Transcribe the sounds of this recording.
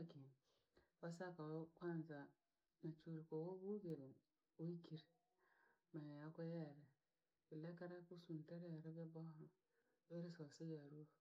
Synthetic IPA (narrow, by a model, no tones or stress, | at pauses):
kin | wasakawokʷanza | nat͡ʃuɾikowobuɡeɾ | oikiɾ | majajakojaɾe | bilekaɾakusunteɾjaɾɛbebohɾo | ɾesasejaɾu